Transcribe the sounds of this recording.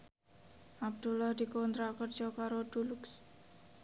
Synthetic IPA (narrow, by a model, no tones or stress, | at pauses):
ʔab̚d̪̥ulahd̪̥ikɔnt̪ɾakərd̥d͡ʒ̥ɔkaɾoɖ̪̥uluks